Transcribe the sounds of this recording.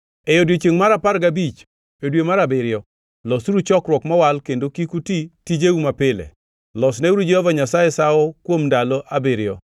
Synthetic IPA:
ɛjodwet͡ʃeŋmaɾapaɾɡabit͡ʃ | odwemaɾabɪɾɪɔ | lɔsuɾut͡ʃɔkɾwɔkmawalkendokikutitid͡ʒeumapɪlɛ̰ | lɔsnɛuɾud͡ʒehɔvaɲasajɛsawɔkwomndalɔʔabeɾɪɔ̰

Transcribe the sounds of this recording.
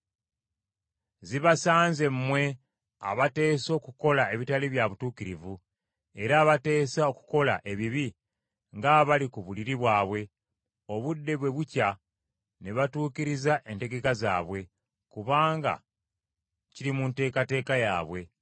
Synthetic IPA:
ziβasaːnze̞mmːwe̞ | a̰βate̞ːso̞ːkuko̞lae̞βitaliβjaβutuːkiɾivu | e̞ɾaːβate̞ːsao̞ku̥ko̞la̰ʔe̞βiβi | ŋɡaβalikuβuliɾiβwaːβwe̞ | o̞βudːe̞βwe̞βuca | neβatuːkiɾizaʔe̞nte̞ɡe̞kaza̰ːβwe̞ | kuβaːŋɡa̰ | ciɾimunte̞ːkate̞ːkaja̰ːβwe̞

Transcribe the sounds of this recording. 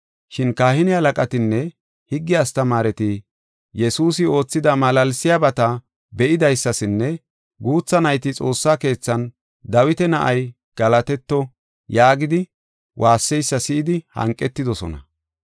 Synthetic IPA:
ʃɪnkaːhɪnɪhɐlɐkʼɐt̪ɪnːɛ | hɪɡːɪjast̪ɐmaːɾɛt̪ɪ | jɛsuːs̬ɪo̞ːt͡sːɪd̪ɐmɐlɐlsɪjabɐt̪ɐ | bɛʔɪd̪ɐjsːɐsɪnːɛ | ɡuːt͡sːɐnɐjt̪ɪt͡sʼo̞ːsːaːke̞ːt͡sːɐn | d̪ɐwɪt̪ɛnɐʔɐj | ɡ̥ɐlɐt̪ɛt̪ːɔ | jaːɡɪd̪ɪ | wʔaːsːɛjsːɐsɪʔːd̪ɪhɐ̰ŋkʼːɛt̪ːɪd̪ɔsɔ̰nɐ̰

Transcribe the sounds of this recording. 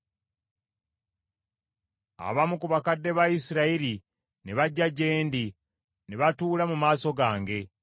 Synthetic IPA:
a̰βamukuβakadːe̞βaisiɾaiɾi | neβaɟːaɟe̞ːndi | neβatuːlamumaːso̞ɡaːŋɡe̞

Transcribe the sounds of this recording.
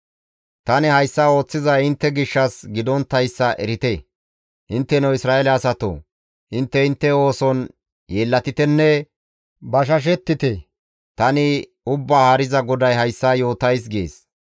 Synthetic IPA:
t̪ɐnɪhɐjsːaːo̞ːt͡sːɪzɐjɪnt̪ːɛɡɪʃːɐsɡɪd̪ɔnt̪ːɐjsːɐʔɛɾɪt̪e | ʔɪnt̪ːɛnɔwɪsɾaːɛlɛɐsɐt̪o̰ː | ʔɪnt̪ːɛɪnt̪ːɛo̞ːsɔn | jeːlːɐt̪ɪt̪ɛnːɛ | bɐʃ̬ɐʃ̬ɛt̪ːɪt̪ɛ | t̪ɐnɪ | ʊbːaːhaɾɪzɐɡɔd̪ɐjɦɐjsːaːjo̞ːt̪ɐjs̬ɡeːs

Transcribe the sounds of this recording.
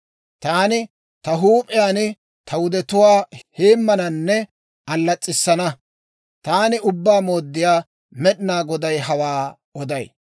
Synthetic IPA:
t̪aːnɪ | t̪ɐɦuːpʼɪjaːn | t̪ʰɐwʊd̪ɛt̪ʊwaːheːmːɐnɐnːɛ | ɐlːɐt͡sʼːɪsːɐnɐ | t̪aːnɪʊbːaːmoːd̪ːɪjaː | mɛɗɪnaːɡɔd̪ɐjɦɐwaː | ɔd̪ɐj

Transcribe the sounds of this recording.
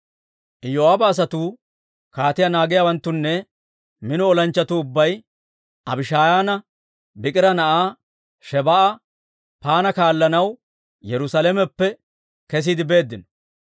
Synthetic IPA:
ʔɪjoaːbɐːs̬ɐt̪uː | kaːt̪ɪjanaːɡɪjawɐnt̪ːʊnːɛ | mɪnɔɔlɐnt͡ʃːɐt̪uʊbːɐj | ʔɐbɪʃaːjaːnɐ | bɪkʼɪɾɐnɐʔaː | ʃɛbɐʔɐ | paːnɐkaːlːɐnɐw | jɛɾʊsalɛmɛpːɛ | kɛs̬iːd̪ɪbe̞ːd̪ːɪnɔ̥

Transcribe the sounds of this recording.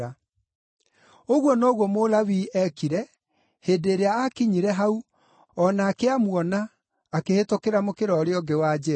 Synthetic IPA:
a | oɣwɔnɔːɣwɔmolawiɛkiɾɛ | heːdeːɾeaːkiɲiɾɛɦau | ɔnaːkeamwɔnaː | kehetokeɾamokeɾɔːɾeɔɡewad͡ʑɛ

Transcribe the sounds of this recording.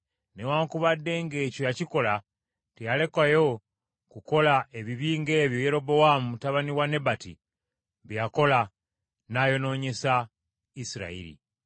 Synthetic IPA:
newaːŋkuβadːe̞ŋɡe̞ːco̞jaciko̞la | tijale̞kajo̞ | kuko̞laeβiβiːŋɡe̞ːβjo̞je̞ɾo̞bo̞wamumutaβaniwane̞batḭ | βjjako̞la | najo̞no̞ːɲe̞sa | isiɾa̰ḭɾḭ

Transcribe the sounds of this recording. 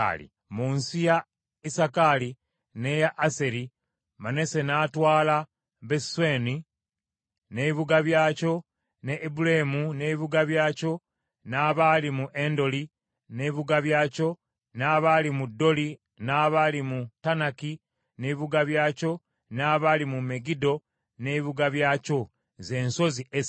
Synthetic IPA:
lḭ | munsija | isakali | nejaʔːse̞ɾi | mane̞se̞naːtwaːla | βesweːni | neβiβuɡaβjaːco̞ | neʔːbulaemuneβiβuɡaβjaːco̞ | naːβalimuʔe̞ndo̞li | neiβuɡaβjaːco̞ | naːβalimudːo̞li | naːβalimutanaki | neiβuɡaβjaːco̞ | naːβalimume̞ɡido̞ | neiβuɡaβjaːco̞ | ze̞ːnso̞ziʔe

